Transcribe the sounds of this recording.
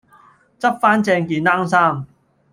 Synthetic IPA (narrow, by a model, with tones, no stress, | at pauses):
t͡sɐ˥p̚faː˥nt͡sɛː˧ŋkiː˨˧naː˥ŋsaː˥˩m